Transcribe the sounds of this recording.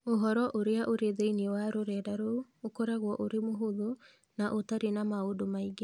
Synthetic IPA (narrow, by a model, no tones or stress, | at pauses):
oɦɔɾɔʔoɾeaʔoɾeðeiniewaɾoɾɛdaɾoːkoɾaɣwɔʔoɾemoɦoðo | naʔotaɾenamaodomaiɡe